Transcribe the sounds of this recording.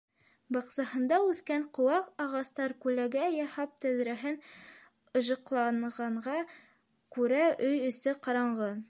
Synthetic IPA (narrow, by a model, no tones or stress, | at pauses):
bɑqsɑhɤ̆nd̪ɑʉθkæɴqŏwɑqɑʁɑst̪ɑɾkʉlæɡæjɑhɑp̚t̪æðɾæɦɘn | ɤ̆ʒɤ̆qlˠɑɴʁɑɴʁɑ | kʉɾæʔɵjɵ̆sɘqɑɾɑɴʁɤ